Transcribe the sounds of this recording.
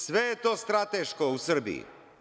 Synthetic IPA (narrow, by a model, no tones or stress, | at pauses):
sʋejet̪o̞ːst̪ɾat̪eʃkousr̩bḭḭ